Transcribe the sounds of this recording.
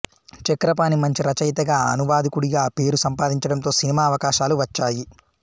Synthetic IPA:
t͡ʃɐkɾɐpaːnimɐɲt͡ʃiɾɐt͡ʃɐjt̪ɐɡaːɐ̰nuʋaːd̪ikuɽiɡaːpe̞ːɾusɐmpaːd̪iɲt͡ʃɐɽɐnt̪o̞ːsinimaːɐʋɐkaːʃaːluʋɐt͡ʃːaːji

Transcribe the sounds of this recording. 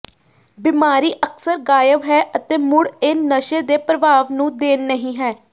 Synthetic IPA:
bimaːɾiːʔəksəɾɡaːjəʋɦɛːʔət̪eːmʊɽɪnːəʃeːd̪eːpɾəʋaːʋnũːd̪eːnːəɦĩːɦɛː

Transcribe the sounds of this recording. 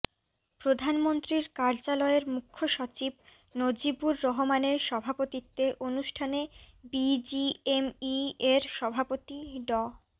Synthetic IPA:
pɾod̪ʱanmont̪ɾiɾkaɾd͡ʑalɔeɾmukʰːoʃot͡ɕib̚ | nod͡ʑibuɾːoɦomaneɾʃɔbʱapot̪it̪ːeʔonuʃʈʰanebid͡ʑiemieɾʃɔbʱapot̪iɖɔ

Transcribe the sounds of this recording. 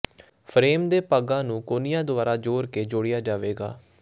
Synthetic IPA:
pʰɾeːmd̪eːpaɡãːnũːkoːnɪjãːd̪ʊʋaːɾaːd͡ʒoːɾkeːd͡ʒoːɽɪjaːd͡ʒaːʋeːɡa̰ː

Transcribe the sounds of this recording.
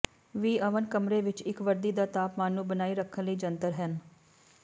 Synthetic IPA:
ʋiːʔəʋənkəmɾeːʋɪt͡ʃɪkʋəɾd̪iːd̪aːt̪aːpmaːnːũːbənaːiːɾəkʰːənləiːd͡ʒənt̪əɾɦɛn

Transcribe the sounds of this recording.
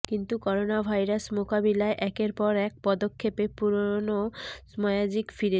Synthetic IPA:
kint̪ukɔɾonabʱajɾasmokabilaeʔɛkeɾpɔɾɛk̚pɔd̪okʰːepepuɾonosmɔead͡ʑikfiɾe

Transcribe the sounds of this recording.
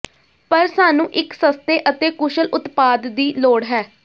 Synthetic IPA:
pəɾsaːnũːʔɪksəst̪eːʔət̪eːkʊʃəlʔʊt̪paːd̪ːiːloːɽɦɛː

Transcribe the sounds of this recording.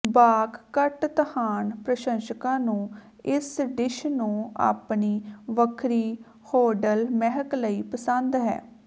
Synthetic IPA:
baːkːəʈt̪əhaːnpɾəʃə̃nʃəkãːnũː | ɪsɖɪʃnũːa̰ːpniːʋəkʰɾiː | hoːɖəlmɛɦəkləiːpəsə̃nd̪ɦɛ̰ː

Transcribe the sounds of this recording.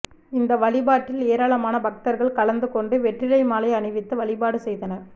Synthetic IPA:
ɪnd̪ɐʋɐɭɪbaːʈːɪleːɾaːɭɐmaːnɐbɐk̚t̪ɐɾɣɐɭkɐɭɐnd̪ɯkɔɳɖɯʋɛʈrɪlɐɪmaːlɐɪɐɳɪʋɪt̪ːɯʋɐɭɪbaːɽɯsɛjðɐnɐɾ

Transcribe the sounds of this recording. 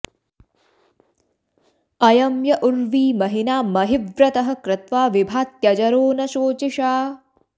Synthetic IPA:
ɐjɐmjɐʔuɾʋiːmɐɦinaːmɐɦiʋɾɐt̪ɐɦɐ̆kɾɪt̪ʋaːʋibʱaːt̪jɐd͡ʒɐɾoːnɐʃoːt͡ʃiʃaː

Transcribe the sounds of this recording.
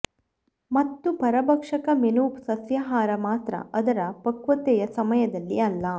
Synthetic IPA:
mɐt̪ːupɐɾɐbɐkʂɐkɐmenuːpsɐsjɐɦaːɾɐmaːt̪ɾɐ̰ɐd̪ɐɾɐpɐkʋɐt̪ɛjɐsɐmɐjɐd̪ɐlːiɐlːɐ

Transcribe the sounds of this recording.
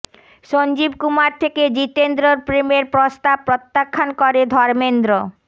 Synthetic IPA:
ʃond͡ʑibkumaɾt̪ʰeked͡ʑit̪end̪ɾoɾpɾemeɾpɾost̪ab̚pːɾot̪ːakʰːankoɾed̪ʱɔɾmend̪ɾo

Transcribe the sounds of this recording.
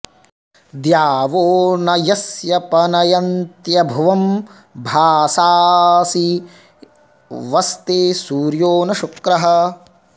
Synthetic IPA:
d̪jaːʋoːnɐjɐsjɐpɐnɐjɐnt̪jɐbʱɐʋɐm | bʱaːsaːsi | ʋɐst̪eːsuːɾjoːnɐʃukɾɐɦɐ̆

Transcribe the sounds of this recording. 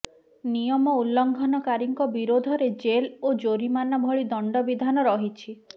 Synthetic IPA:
nijɔmɔulːɔŋɡʱɔnɔkaɾiŋkɔbiɾod̪ʱɔɾed͡ʒelod͡ʒoɾimanɔbʱɔɭid̪ɔɳɖɔbid̪ʱanɔɾɔɦit͡ʃʰi

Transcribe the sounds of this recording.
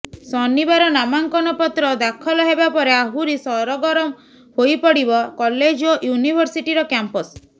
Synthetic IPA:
sɔnibaɾɔnamaŋkɔnɔpɔt̪ɾɔd̪akʰɔlɔɦebapɔɾeaɦuɾisɔɾɔɡɔɾɔm | hojpɔɽibɔkɔled͡ʒojunibʱɔɾsiʈiɾɔkjampɔs

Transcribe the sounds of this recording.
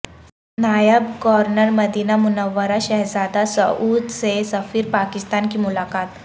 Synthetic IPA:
najabkɔɾnəɾməd̪inamunəʋːəɾaɕəɦd͡zad̪asə̰ʔud̪sesəfiːɾpakist̪ankiːmulakat̪

